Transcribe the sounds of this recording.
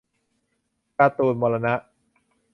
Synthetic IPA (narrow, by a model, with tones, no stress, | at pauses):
ka˧t̪uː˨˩nmɔː˧la˧na˦˥ʔ